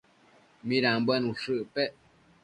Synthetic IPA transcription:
mĩɾãmbanũʂɨʔpe

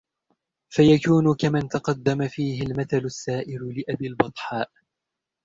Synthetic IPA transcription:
fajakuːnʊkamant̪ɑqɑd̪ːamafiːɦɪlmaθalʊsːaːʔɪɾʊlɪʔabiːlbɑt̪ˤħaːʔ

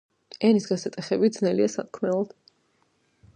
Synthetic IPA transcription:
ɛnisɡɛsɛt̪ʼɛχɛbid̪znɛliasat̪̚kʰmɛlˠɔd̪̥

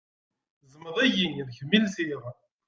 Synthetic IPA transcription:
zˤəmːəðˤæʝinnçmilθiʁ

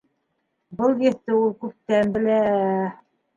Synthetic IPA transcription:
bɤlˠjɘ̆θt̪ɘulˠkʉp̚t̪ænbɘ̆læ

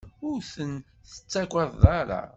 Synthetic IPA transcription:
ʊɾθən | θə̥t͡sːækʷəððˤɑɾˤa̰

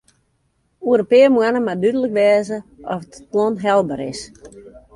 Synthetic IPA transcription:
uəɾopɪəmuanəmadydələkʋɛːzəʔɔfətklɔnɦɛlˠbəɾɪ̰s

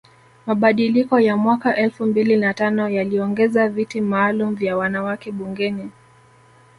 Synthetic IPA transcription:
maɓaɗilikɔjamwakaʔɛlfumbilinatanɔjaliɔŋɡɛzavitimaːlum̩vjawanawakɛɓuŋɡɛni

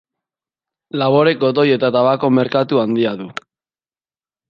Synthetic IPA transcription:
laβo̞ɾe̞k̚o̞t̪̬o̞je̞t̪at̪aβako̞me̞ɾkat̪uand̪iaðu

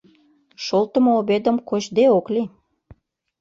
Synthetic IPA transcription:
ʃolt̪ə̆moobed̪ə̆mkoʑd̪eokli

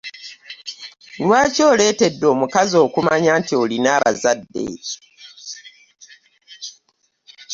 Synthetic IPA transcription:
lwaːco̞ːle̞ːte̞dːo̞ːmukazo̞ːkumaɲaːntio̞linaːβa̰zadːḛ

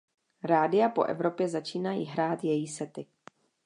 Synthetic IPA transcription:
ɾaːdɪjapo̞̰ʔɛ̰vɾo̞pjɛzat͡ʃiːnajḭɦɾaːt̪jɛjiːsɛt̪ɪ

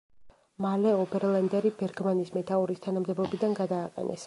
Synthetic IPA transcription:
malɛɔbɛɾland̪ɛɾibɛɾɡmanismɛt̪ʰauɾist̪ʰanamd̪ɛbɔbid̪anɡad̪aːqʼɛ̰nʔɛ̰s

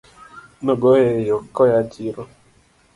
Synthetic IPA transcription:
noɡojejokɔjad͡ʒiɾɔ

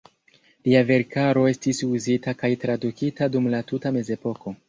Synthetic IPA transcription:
liave̞ɾkaɾo̞e̞stisuzitakajtɾadukitadumlatutame̞ze̞po̞ko̞

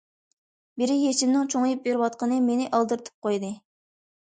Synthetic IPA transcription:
bɪɾɪjet͡ʃimnɨŋt͡ʃʰoŋjup̚beɾɪwɑt̪̚qənɨmenɪʔɑlˠd̪ɨɾt̪ʰɨ̥p̚qojd̪ɨ

